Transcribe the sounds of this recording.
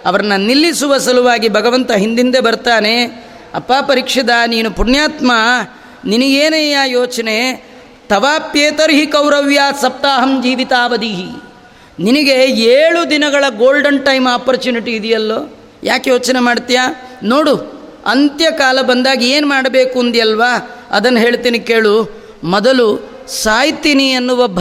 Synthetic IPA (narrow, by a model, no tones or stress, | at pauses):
ɐʋɐɾɐnːɐnilːisuʋɐsɐluʋaːɡibʱɐɡɐʋɐnt̪ɐɦind̪ind̪e̞bɐɾt̪aːne̞ | ɐpːaːpɐɾiːkʂɐd̪ɐniːnupunjaːt̪ma | niniɡeːnɐjaːjoːt͡ʃɐne̞ | t̪ɐʋaːpjeːt̪ɐɾɦikɐwɾɐʋjaːsɐp̚t̪aːɦɐmd͡ʒiːʋit̪aːʋɐd̪iɦi | niniɡe̞eːɭud̪inɐɡɐɭɐɡoːlɖɐnʈɐjmaːpɐɾt͡ʃuːniʈiːd̪ijɐlːoː | jaːkjoːt͡ʃɐnemaːɽt̪ijaːnoːɽu | ɐnt̪jɐkaːlɐbɐnd̪aːɡieːnumaːɽɐbe̞ːkuɐnd̪ijɐlʋaːɐ̰d̪ɐnːɐɦe̞ːɭt̪iːnikeːɭu | mɔd̪ɐlu | saːjt̪iniɐnːuʋɐbʱ